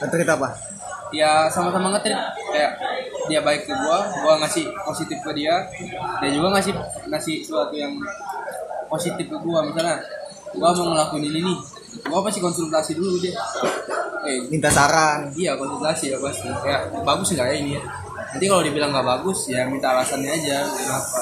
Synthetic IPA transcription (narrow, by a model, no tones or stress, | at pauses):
ŋət̪ɾit̪apa | jasamasamaŋət̪ɾɪt̪̚kajaʔdiabaɪkːəɡuaɡuaŋasɪhposit̪ɪfkədiadad͡ʒuɡaŋas̬ɪhŋasɪhsəuat̪ujaŋ | posit̪ɪfkəɡuamisalɲa | ɡuamaŋəlakuinininɪ | uapasikɔnsɛnt̪asidulud͡ʒɛa | ɛmint̪at̪aɾadiakɔnsɛnt̪asijapast̪ikajaʔbaɡʊsŋɡaʔjainija | nant̪ikalodiabilaŋɡaʔbaɡʊsjamint̪aːlasanɲaːd͡ʒak̪ənapa